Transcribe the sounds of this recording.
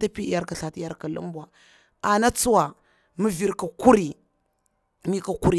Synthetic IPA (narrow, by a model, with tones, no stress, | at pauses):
ta˦pi˦ja˦ɾka˨ɬa˨ti˦ja˦ɾka˨lṵ˦m˦bwa˨ | a˨na˦t͡su˦wa˨ | mə˦vi˨ɾka˨ku˦ɾi˨ | mi˦ka˨ku˦ɾi˨